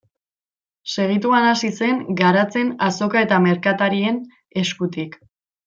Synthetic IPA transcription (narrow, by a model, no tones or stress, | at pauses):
se̞ɣ̞it̪uanasise̞ŋɡaɾat͡se̞naso̞kae̞t̪ame̞ɾkat̪aɾie̞n | e̞skut̪ik